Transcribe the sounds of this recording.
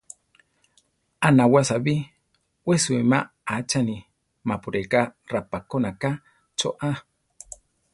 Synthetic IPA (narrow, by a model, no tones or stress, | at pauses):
anawasabi | wesuema | at͡ʃani | mapuɾekarapakonaka | t͡ʃo̰ʔa